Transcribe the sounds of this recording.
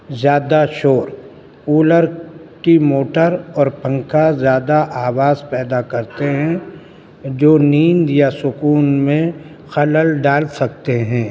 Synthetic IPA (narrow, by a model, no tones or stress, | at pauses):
zjaːd̪aʃoːɾ | uːləɾkimoːʈəɾɔːɾpə̃ŋkazjaːd̪aʔaːʋaːzpɛːd̪akɐɾt̪eɦɛ̃ | d͡ʒoːniːnd̪jasʊkuːnmẽ | xɐləlɖaːlsɐk̚t̪eɦɛ̃ː